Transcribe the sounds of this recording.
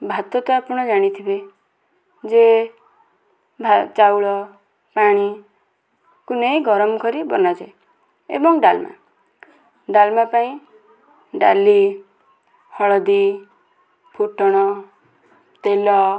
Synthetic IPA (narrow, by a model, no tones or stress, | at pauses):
bʱat̪ɔt̪ɔapuɽ̃ɔd͡ʒaɽ̃it̪ʰibe | d͡ʒe | bʱat͡ʃawɭɔ | paɽ̃i | kuneiɡʱɔɾɔmɔkɔɾibɔnad͡ʒae | ḛbɔŋɖalma̰ | ɖalmapaĩ | ɖa̰li | hɔɭɔd̪i | pʰuʈɔɽ̃ɔ | t̪elɔ